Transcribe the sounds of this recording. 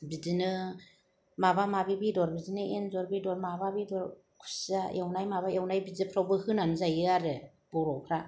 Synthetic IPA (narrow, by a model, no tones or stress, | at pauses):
bidinɯ | mabamabibidɔɾbidinɯenzɔɾbidɔɾmababidɔɾ | kʰu̥saewnajmabaewnajbidipʰɾawbɯhɯnanzajɯaɾɯ | b̥ɔɾɔwpʰɾa